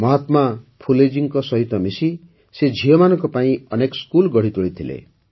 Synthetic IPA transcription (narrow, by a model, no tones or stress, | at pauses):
mʌɦat̪mapʰuled͡ʒiŋkɔsʌɦit̪ɔmisi | sed͡ʒʱijɔmanʌkopaĩʌnekskulɡʌɽ̤it̪oɽit̪ʰilḛ